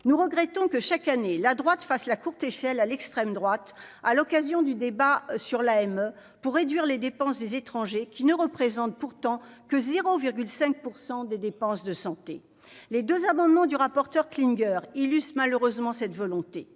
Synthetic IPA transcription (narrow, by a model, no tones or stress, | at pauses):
nuʁəɡʁɛt̪ɔ̃kəʃakanelad̪ʁwat̪faslakuʁt̪eʃɛlalɛkst̪χɛmd̪ʁwat̪alɔkazjɔ̃d̪yd̪ebasyʁlaɛmø | puʁːed̪ɥiʁled̪epɑ̃sd̪ezet̪χɑ̃ʒekʲinəʁəpχezɑ̃t̪̚puʁt̪ɑ̃kəzeʁoviʁɡʲylsɛ̃k̚puʁsɑ̃d̪ed̪epɑ̃sd̪əsɑ̃t̪ḛ | led̪øzamɑ̃d̪mɑ̃d̪yʁapɔʁt̪œʁkliŋɡœʁilyst̪maløʁøzmɑ̃sɛt̪vɔlɔ̃t̪e